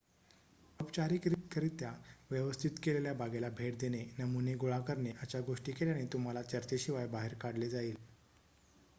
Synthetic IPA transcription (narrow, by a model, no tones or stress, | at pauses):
əpt͡ɕaɾiːkɾit̪kəɾit̪jaʋjəʋəst̪ʰit̪keleljabʱaɡelabʱeʈ̚d̪enenəmuneɡoɭakəɾneʔat͡ɕjaɡoʂʈiːkeljañit̪um̤alat͡ɕəɾt͡ɕeɕiʋajbaɦeɾkaɽled͡zaiːl